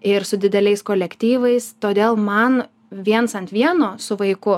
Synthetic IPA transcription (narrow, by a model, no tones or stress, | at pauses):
ɪɾsʊd̪ʲɪd̪ʲɛlʲɛɪskoːlʲɛkt̪ʲiːʋɐɪst̪oːd̪ʲeːlˠmɐn | ʋʲiɛnsɐnt̪ʲʋʲiɛnoːsʊʋɐɪkʊ